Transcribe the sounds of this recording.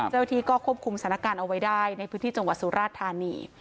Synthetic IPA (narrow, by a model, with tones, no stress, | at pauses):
t͡ɕa˥˩wa˧˥t̪ʰiː˧˩kɔː˥˩kʰu˥˩p̚kʰu˧msa˨˩˦na˥kaː˧nʔa˧wa˦˥jdaː˥˩jna˧jpʰɯː˦nʰiː˥˩t͡ɕa˧ŋwa˨˩t̪̚su˧˦ɾʔaː˥˩t̪ʰːaː˧nḭː˧